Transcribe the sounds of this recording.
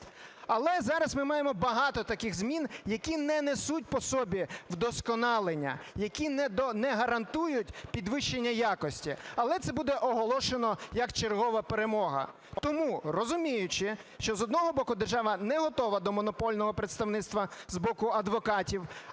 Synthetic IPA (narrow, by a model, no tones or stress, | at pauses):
ɐlˠɛzɑɾɐsmɪmɑjemɔbɐɦɑt̪ɔt̪ɐkɪxzmʲinjɐkʲinɛnesut̚ʲpɔsɔbʲiwd̪ɔskɔnɑlˠenʲːɐ̰jɐkʲinnɛɦɐɾɐnt̪ujʊtʲpʲid̪ʋɪʃt͡ʃenʲːɐjakɔsʲtʲiɐlˠɛt̪sɛbud̪ɛʔɔɦɔlˠɔʃenɔjɐkt͡ʃerɦɔʋɐpeɾemɔɦɐ̰ | t̪ɔmurɔzʊmʲijʊt͡ʃɪ | ʃt͡ʃɔzɔd̪nɔɦɔbɔkʊd̪erʒɑʋɐnɛɦɔt̪ɔʋɐd̪ɔmɔnɔpɔlʲnɔɦɔpɾet̪st̪ɐwnɪt̪st̪ʋɐzbɔkʊɐd̪ʋɔkɑtʲiw